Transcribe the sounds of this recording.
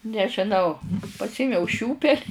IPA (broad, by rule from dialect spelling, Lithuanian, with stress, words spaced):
nʲɛʒʲɪˈnɐʊ pɐsʲˈeːmʲɛʊ ˈʃʲuːpʲɛlʲ